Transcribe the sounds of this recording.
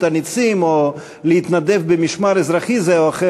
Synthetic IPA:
t̪anit͡simo | leit̪nad̪e̞vbemiʃmaɾezɾaχizeoaχe

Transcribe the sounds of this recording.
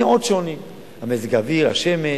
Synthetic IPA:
modʃonim | hamezɡaviʁa̰ʃeme

